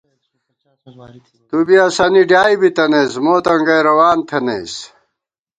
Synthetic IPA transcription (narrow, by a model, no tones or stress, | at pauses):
t̪ubiasɐniɖjaːibit̪ɐneːsmoːt̪ɐŋɡɐjɾɐwaːnt̪ʰɐnḛːs